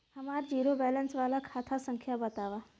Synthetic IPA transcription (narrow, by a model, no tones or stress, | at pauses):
həmaɾd͡ʑiɾobɛlənsʋalakʰat̪ʰasəŋkʰjabət̪aʋa